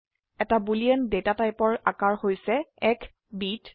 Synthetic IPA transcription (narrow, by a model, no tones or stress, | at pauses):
ɛtabuliɛndetatajpɔɹakaɹhojsɛɛkʰ | bit